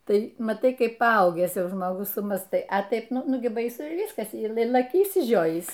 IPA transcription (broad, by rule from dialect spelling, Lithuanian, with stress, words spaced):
ˈtɐɪ mɐˈtɐɪ ˈkɐɪp pɐˈɐʊɡʲæːs ˈjɛʊ ʒmoːˈɡʊs sʊmɑːstɐɪ ɐ ˈtɐɪp ˈnʊ ˈnʊ ɡʲɪ bɐɪˈsʊ ɪ ˈʋʲiːskɐs iː ˈlˠɐ lˠɐˈkʲʊ ɪʃʲsʲɪˈʒʲoːjiːs